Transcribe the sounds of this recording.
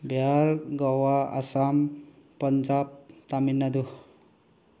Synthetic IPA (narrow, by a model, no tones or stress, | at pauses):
bjaɾɡɔwaa̰sampʌnd͡ʒab̚t̪aminːad̪u